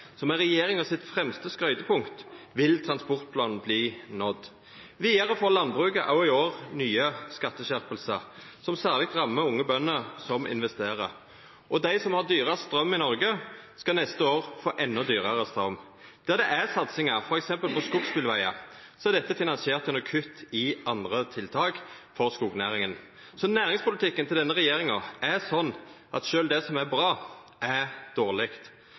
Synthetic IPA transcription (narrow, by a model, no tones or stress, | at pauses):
sɔmɛʁɛjeːɾɪŋɔsɪt̪fʁɛmst̪əskɾœʏt̪əpʰʊŋkt̪ʋɪlt̪ʰʁɑnspɔʁt̪̚pʰlɑːnn̩bliːnɔd̪ | ʋiːɑʁəfoːɾlɑnbʁʉːkəʔɑ̰ʊɪoːʁnyːəskɑt̪ːəʃæʁpəlsəɾsɔmsæːʁlɪk̚t̪ʁɑmːəʊŋːəbœnːəɾsɔmʔɪ̰nʋɛst̪eːʁə | ʔɔd̪æɪsɔmhɑʁd̪yːʁəst̪ɾœmːɪnɔɾɡəskɑnɛst̪əoːʁfoːʔɛnːɔd̪yːʁəɾəst̪ɾœmː | d̪̥æʁd̪ɛʔæsɑt̪sɪŋəɾfɔɾɛksɛmpəlpɔskʊɡspɪlʋæɪɑ̰ | sɔæʁd̪ɛt̪ːəfɪnɑnsɪeːʁt̪jʉnːəkʰʏt̪ːɪɑnd̪ʁət̪ʰɪlt̪ʰɑːɡfɔɾskuːɡnæ̰ːʁɪŋən | sɔnæːɾʁɪŋspʊlɪt̪ʰɪkːənt̪ʰɪld̪ɛnːəʁɛjeːɾɪŋɑæɾsɔnːʔɑt̪ʃøːld̪ɛsɔmæbɾɑː | ʔæɾd̪̥oːʁlɪkt̪